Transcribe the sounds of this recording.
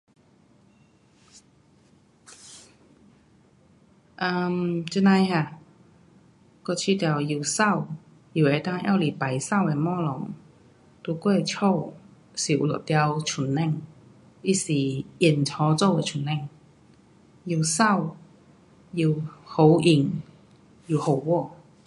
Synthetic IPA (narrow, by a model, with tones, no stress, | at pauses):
ʔə˧mt͡ɕnã˧jhja˧˩ | kɔ˥˧˩t͡ɕʰi˥˧˩t̪ja˨˩wji˨˩wsa˥˧˨w | ji˨˩e˧˩t̪a˥˧ŋja̰˥˧˨wli˨˩pa˨˩jsa˥˧˨we˧mɔ̃˥˦lɔ˨˦ŋ | t̪u˧kwe˥˧˩t͡ɕʰo˥˧˨w | si˨˩ṵ˨˩lɔ̰˨˩t̪ja˧wt͡ɕʰu˨˩nːɛ˥˩˨ŋ | i˦˥si˨˩i˨˩nt͡sʰɔ˧˦t͡so˥˧we˧t͡ɕʰu˨˩˦nːɛ˥˧˨ŋ | ji˨˩wsa˥˧˨w | ji˨˩who˨˧˩wʔi˨˩ŋ | ji˨˩˨ho˨˩wwɔ˥˧˨